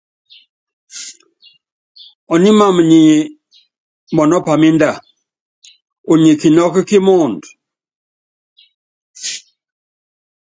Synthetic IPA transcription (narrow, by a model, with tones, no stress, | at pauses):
ɔ˨ni˦ma˦˨m˨ɲi˨ | mɔ˨nɔ˦pa˨mi˦nda˦˨ | u˨ɲi˨ki˨nɔ˦ki˦ki˦mɔ˦˨nd